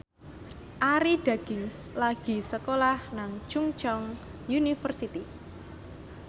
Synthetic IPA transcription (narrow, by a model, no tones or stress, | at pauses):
ʔaɾiɖ̥aɡ̥ɪŋslaɡ̥i̤səkolahnaŋt͡ʃuŋt͡ʃɔŋjunifərsit̪i